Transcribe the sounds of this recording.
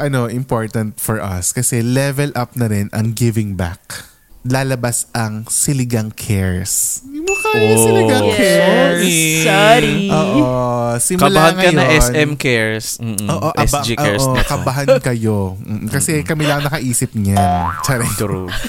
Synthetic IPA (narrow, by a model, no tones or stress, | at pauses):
ʔɐno̞ʔɪmpo̞ɹt̪ɐnt̪fɔɹʔɐ̰skɐsɛlɛvɛlʔɐp̚nɐɾɪnɐ̰ŋɡɪvɪŋba̰k̚ | laːlɐbasɐŋsɪlɪɡɐŋkʰɛɹsmokasɪlɪɡɐŋkɛs | ʔoːʔosɪmɐʊlahaŋɐɐjoɐɛsnɛmkɛɹs̩oːʔoʔɐsbaioɛʔkɐbɐɦankɐjo̞m̩ːʔ̩kɐsɛkɐmilaŋnɐkɐʔiːsɪp̚ɲant͡ʃaɾɛ